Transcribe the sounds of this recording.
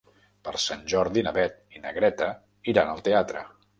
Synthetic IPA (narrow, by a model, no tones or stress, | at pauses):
pəɾsanʲʒɔɾðinəβɛt̪̚inəɣɾɛt̪ə | iɾanəlˠt̪eat̪ɾə̰